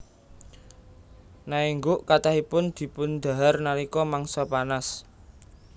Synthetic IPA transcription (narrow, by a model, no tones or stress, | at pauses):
naiŋɡoʔkat̪ahipʊnd̪̥i̤pʊnd̪̥a̤ɦarnaɾikɔmaŋsɔpanas